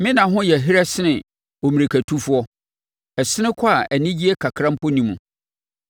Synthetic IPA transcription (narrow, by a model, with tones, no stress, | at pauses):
mɪ̃˦nã˨ɦʊ̃˦jɛ˨ɦi˦ɾæ˦sɪ˦nɪ̃˨ | o˨mĩ˨ɾe˨kʰæ˨tʰu˦fu˦ɔ˦ | ɛ˨sɪ˦nɪ̃˦kʰɔ˦a˨ʔæ˨nĩ˦d͡ʑi˦ɛ˦kʰa˨kʰɾã˦m̩˦pɔ˦nĩ˨mũ˨